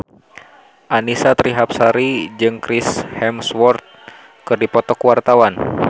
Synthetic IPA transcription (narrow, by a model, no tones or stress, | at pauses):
ʔanisat̪ɾiɦap̚saɾid͡ʒɨŋkɾishɛmswɔrt̪̚ | kɨrdipɔt̪ɔkuwart̪awan